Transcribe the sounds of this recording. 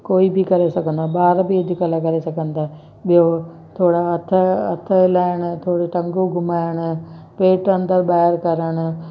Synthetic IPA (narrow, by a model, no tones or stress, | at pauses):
koːiːbʱikəɾesəkənd̪aːbaːɾbied̪ikəlakəɾesəkə̃nd̪aː | bjoː | t̪ʰoːɽaət̪ʰːət̪ʰːəlaːəɳ̃t̪ʰoːɽeʈəŋɡoːɡʊmaːəɳpeːʈə̃nd̪əɾbaːəɾkəɾəɳ